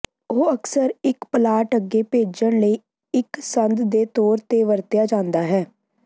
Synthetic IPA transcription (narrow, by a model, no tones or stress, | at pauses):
oːəksəɾɪkplaːʈəɡeːpeːd͡ʒəɳləiː | ɪksənd̪d̪eːt̪ɔːɾt̪eːʋəɾt̪jaːd͡ʒãːnd̪aːɦɛː